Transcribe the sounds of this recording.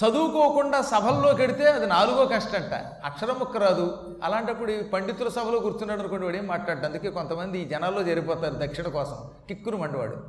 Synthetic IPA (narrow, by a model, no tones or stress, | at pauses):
sɐd̪uːkoːkuɳɖaːsɐbʱɐlːo̞ːkeɽit̪e̞ːɐd̪inaːluɡoːkɐʂʈɐɳʈa̰ː | ɐkʂɐɾɐmukːɐɾaːd̪u | ɐ̰laːɳʈɐpːuɽupɐɳɖit̪ːulɐsɐbʱɐloːɡuɾut̪unːaːɽɐnukoːɳʈiʋaːɽeːmːaːʈlaːɽɖɐnd̪uke̞ːko̞nt̪ɐmɐnd̪iːd͡ʒɛnaːlːo̞ːd͡ʒɐɾipɔːt̪aːɾud̪ɐkʂiɳɐkɔːsɐm | kikːuɾumɐɳɖiʋa̰ːɽṵ